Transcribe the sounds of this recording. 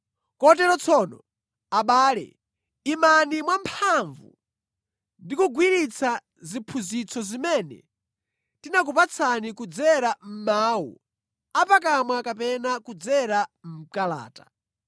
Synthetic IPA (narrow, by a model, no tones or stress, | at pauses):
kɔtɛɾɔt͡sʰɔnɔ | aɓaːlɛ̰ | imanimwampʰaɱvṵ | ndikuɡwiɾit͡sʰa | zipʰuzit͡sʰɔzimɛnɛ̰ | tinak̬upat͡sʰanikud͡zɛɾam̩maːwṵ | apak̬amwakapɛnakud͡zɛɾam̩kala̰ːta